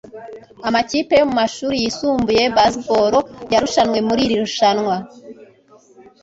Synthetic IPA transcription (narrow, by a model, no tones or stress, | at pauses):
amacipe̞jo̞mumaʃuːɾijisuːmbuje̞baspo̞ɾo̞jaɾuʃanŋwe̞muɾiɾiɾuʃanŋwa